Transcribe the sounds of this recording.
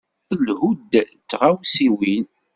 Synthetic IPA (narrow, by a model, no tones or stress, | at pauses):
əlhud̪t͡sːʁawsiwin